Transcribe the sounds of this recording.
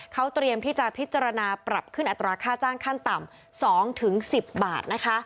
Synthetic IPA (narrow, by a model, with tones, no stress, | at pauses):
kʰa˦˥wt̪ɾi˧əmt̪ʰiː˥˩t͡ɕa˨˩pʰi˦˥t̪̚t͡ɕːa˧ɾa˧naː˧pɾa˨˩p̚kʰɯ˥˩nʔa˨˩t̪ːɾaː˧kʰaː˥˩t͡ɕaː˥˩ŋkʰa˥˩nt̪a˨˩m | sɔː˩˦ŋt̪ʰɯ˩˦ŋsi˨˩p̚baː˨˩t̪̚na˦˥kʰa˦˥